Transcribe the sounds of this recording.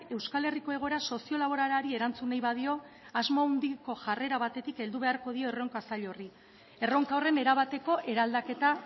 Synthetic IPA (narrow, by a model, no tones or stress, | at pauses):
e̞wskale̞riko̞e̞ɣ̞o̞eɾaso̞sio̞laβo̞ɾaɾaɾie̞ɾant͡sunajβaðio̞ | azmound̪iko̞ʝare̞ɾaβat̪e̞t̪ike̞ld̪uβe̞aɾko̞ð̞io̞ero̞ŋkoasaʎo̞ri | e̞ro̞ŋkaore̞ne̞ɾaβat̪e̞ko̞ʔe̞ɾald̪ake̞t̪a